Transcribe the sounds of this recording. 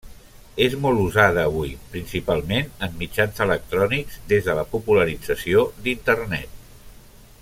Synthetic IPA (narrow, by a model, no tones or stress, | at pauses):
ezmɔlˠuzað̞əːβujpɾinsipalˠmenəmːid͡ʒanzələk̚t̪ɾɔnikz̥d̪ezðələpupuləɾid͡zəsiod̪int̪ərnɛt̪̚